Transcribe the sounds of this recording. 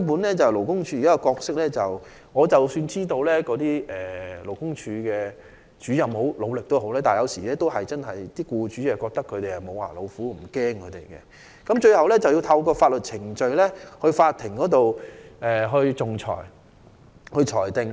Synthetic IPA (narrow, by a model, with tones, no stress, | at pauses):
puː˨˥nlɛː˥t͡sɐ˨wlo˨˩wkʊ˥ŋt͡ʃʰyː˨˧˨kaː˦˥kɔ˧kɔː˧k̚sɪ˥k̚lɛː˥t͡sɐ˨w | ŋɔː˨˧t͡sɐ˨wsyː˧nt͡siː˥t̪o˧wlɛː˥kɔː˨˧˥t̪iː˥ɛː˨lo˨˩wkʊ˥ŋt͡ʃʰyː˧kɛː˧ | t͡ʃyː˨˥jɐ˨mho˨˥wlo˨˧wlɪ˨k̚t̪o˥ho˨˥wlɛː˥t̪aː˨njɐ˨˧wsiː˨˩lɛː˥t̪o˥wɦɐ˨jt͡sɐ˥nɦɐ˨jt̪iː˥kuː˧t͡ʃyː˨˥jɐ˨˩wkɔː˧k̚t̪ɐ˥kʰːɵ˨˧ɥt̪e˨jhɐ˨˩mo˨˧wa̰ː˨˩lo˨˧wfuː˨˥m̩˨˩kɛː˥ŋkʰɵ˨˧t̪ḛ˨˩jkɛ̰˧ | kɐ˨˥mt͡ʃɵ˧ɥhɐ˨wlɛː˥t͡sɐ˨wji˧wt̪ʰɐ˧wkɔː˧faː˧t̚lɵ˨t̚t͡sʰɪ˨˩ŋt͡ʃɵ˧ɥlɛː˥hɵ˧ɥfaː˧t̪̚ʰɪ˨˩ŋkɔː˨˥t̪o˨wʔɛː˨ɦɵ˧ɥt͡sʊ˨˩ŋt͡ʃʰɔ̰ː˨˩j | hɵ˧ɥt͡ʃʰɔː˨˩jt̪ɪ˨˧ŋ